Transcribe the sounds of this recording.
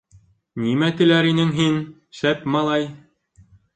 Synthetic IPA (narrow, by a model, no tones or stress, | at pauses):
nimæt̪ɘ̆læɾinɘŋɦin | ʃæpmɑlˠɑj